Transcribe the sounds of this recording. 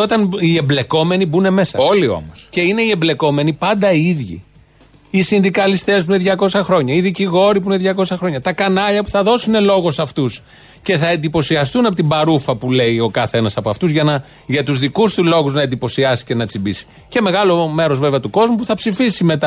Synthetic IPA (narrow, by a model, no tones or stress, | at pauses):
ot̪ɐnie̞ble̞ko̞me̞nibune̞me̞sɐolio̞̰mosce̞ine̞iemble̞ko̞me̞nipɐnd̪ɐiðʝḭ | isinðikɐlist̪e̞spune̞ðʝɐko̞sɐxɾo̞ɲɐiðiciɣo̞ɾip̬uneðʝɐko̞sɐxɾo̞ɲɐt̪ɐkɐnɐʎɐpu̥θɐðo̞sine̞lo̞ɣo̞sɐft̪us | ce̞θɐe̞nd̪ipo̞siɐst̪unɐpot̪ibɐɾufɐpule̞io̞kɐθe̞nɐsɐpoɐft̪uzʝɐnɐ | ʝɐt̪uzðikust̪ulo̞ɣuznɐend̪ipo̞siɐsi̥ce̞nɐt͡sibisi̥ | ce̞me̞ɣɐlo̞me̞ɾo̞zve̞veɐt̪uko̞zmupuθɐpsifisime̞t̪ɐ